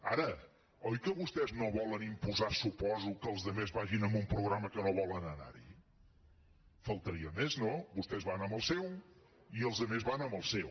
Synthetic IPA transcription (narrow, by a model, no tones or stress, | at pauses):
a̰ɾə | ɔjkəβust̪ɛznoβɔlənimpuzasupɔzukəlˠzðəmezβaʒinəmbumpɾuɣɾaməkənoβɔlənəna̰ɾḭ | fəlˠt̪əɾiəmeznobust̪ɛzβanəmbəlˠsɛw | iəlˠzðəmezβanəmbəlˠsɛw